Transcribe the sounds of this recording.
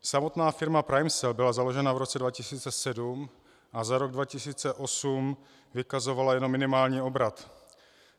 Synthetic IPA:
samo̞t̪naːfɪɾmapɾajmsɛlbɪlazalo̞ʒɛnavɾo̞t͡sɛdvacɪsiːt͡sɛsɛdum | ʔazaɾo̞ɡdvacɪsiːt͡sɛʔo̞sum | vɪkazo̞valajɛno̞mːɪnɪmaːlɲiːo̞bɾat̪

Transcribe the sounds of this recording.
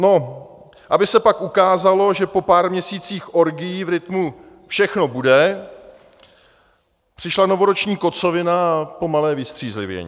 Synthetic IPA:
no̞ | ʔabɪsɛpakʔukaːzalo̞ʒɛpo̞paːɾmɲɛsiːt͡siːxʔo̞ɾɡɪjivɾɪt̪mu | fʃɛxno̞budɛ | pr̝̥ɪʃlano̞vo̞ɾot͡ʃɲiːko̞t͡so̞vɪnapo̞malɛːvɪst̪r̝̥iːzlɪ̰vjɛ̰ɲḭː

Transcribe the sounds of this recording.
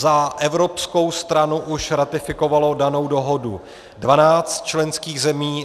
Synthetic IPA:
zaʔɛvɾo̞psko̞wst̪ɾanuʔuʃɾat̪ɪfɪko̞valo̞dano̞wdo̞ɦo̞du | dvanaːt͡st̪̚t͡ʃlɛnskiːɣzɛmiː

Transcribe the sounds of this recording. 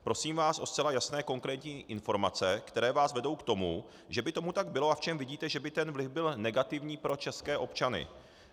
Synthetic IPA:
pɾo̞siːmvaːsʔo̞st͡sɛlajasnɛːko̞ŋkɾɛːt̪ɲiːʔɪnfo̞ɾma̰t͡sɛkt̪ɛɾɛːvaːsvɛdo̞wkt̪o̞mu | ʒɛbɪt̪o̞mut̪aɡ̚bɪlo̞ʔaft͡ʃɛmvɪɟiːt̪ɛʒɛbɪt̪ɛnvlɪfbɪlnɛɡat̪ɪvɲiːpɾo̞t͡ʃɛskɛːʔo̞pt͡ʃanɪ̰

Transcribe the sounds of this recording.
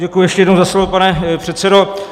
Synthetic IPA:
ɟɛkujʊjɛʃcɛjɛdnowzaslovopanɛpr̝̥ɛt̪sɛdo

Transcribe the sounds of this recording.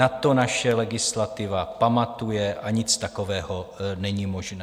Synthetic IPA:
at̪o̞naʃɛlɛɡɪslat̪ɪvapamat̪ujɛʔaɲɪt͡st̪akovɛːhonɛɲiːmoʒnɛ

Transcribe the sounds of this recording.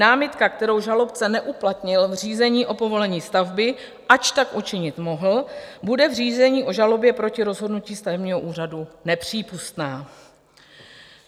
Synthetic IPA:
aːmɪt̪kakt̪ɛɾo̞wʒalo̞p̚t͡sɛnɛʔuplat̪ɲɪlvr̝iːzɛɲiːʔo̞po̞vo̞lɛɲiːst̪avbɪ | ʔat͡ʃt̪akʔut͡ʃɪɲɪt̪mo̞ɦl̩budɛvriːzɛɲiːʔo̞ʒalo̞bjɛpɾo̞cɪɾo̞zɦo̞dnuciːst̪avɛbɲiːɦo̞ʔuːr̝adunɛpr̝̥iːpust̪naː

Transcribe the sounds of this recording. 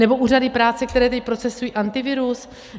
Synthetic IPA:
nɛbo̞ʔuːradɪpɾaːt͡sɛk̚t̪ɛɾɛːt̪̬ɛc̚pɾot͡sɛsujiːʔant̪ɪvɪɾus

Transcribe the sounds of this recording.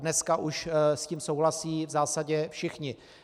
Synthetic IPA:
nɛskaʔuʃsciːmsowɦlasiːvzaːsaɟɛfʃɪxɲɪ

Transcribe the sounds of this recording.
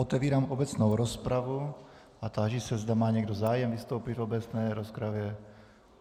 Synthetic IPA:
ot̪ɛviːɾaːmʔobɛt͡snowɾospɾavu | ʔat̪aːʒisɛzd̪amaːɲɛɡdozaːjɛmvɪst̪owpit̪vobɛt͡snɛːɾospɾavjɛ

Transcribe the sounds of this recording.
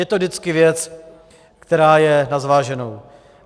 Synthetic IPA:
jɛt̪odɪt͡skɪvjɛt͡s | kt̪ɛɾaːjɛnazvaːʒɛno̞w

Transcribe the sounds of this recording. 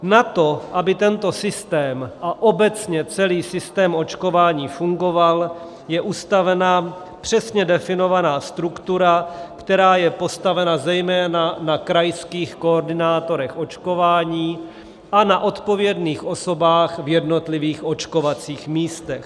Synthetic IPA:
nat̪o̞ʔabɪt̪ɛnt̪o̞sɪst̪ɛːmʔaʔo̞bɛt͡sɲɛt͡sɛliːsɪst̪ɛːmʔo̞t͡ʃko̞vaːɲiːfuŋɡo̞val | jɛʔust̪avɛna | pr̝̥ɛsɲɛdɛfɪno̞vanaːst̪ɾukt̪uɾakt̪ɛɾaːjɛpo̞st̪avɛnazɛjmɛːnanakɾajskiːxkooɾdɪnaːt̪o̞ɾɛxʔo̞t͡ʃko̞vaːɲiː | ʔanaʔo̞t̪po̞vjɛdniːxʔo̞so̞baːxvjɛdno̞t̪lɪviːxʔo̞t͡ʃko̞vat͡siːxmiːst̪ɛx

